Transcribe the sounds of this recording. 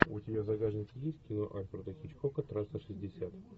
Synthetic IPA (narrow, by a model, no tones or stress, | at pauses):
ʊtʲɪbʲazɐɡaʐnʲɪkʲɪjesʲtʲkʲɪnoʔalʲfrd̪əxʲɪt͡ɕkokət̪ɾast̪əʂɨzʲdʲɪsʲat̪